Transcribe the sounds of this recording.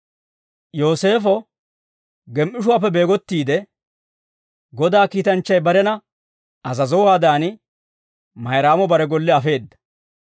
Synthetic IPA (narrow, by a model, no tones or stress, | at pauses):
jo̞ːse̞ːfɔ | ɡɛmʔɪʃ̬ʊwaːpːɛbe̞ːɡɔt̪ːiːd̪ɛ | ɡɔd̪aːkiːt̪ɐnt͡ʃːɐjbɐɾɛnɐ | ɐzɐzɔwaːd̪aːnɪ | mɐjɾaːmɔbɐɾɛɡɔlːɛɐfe̞ːd̪ːɐ̥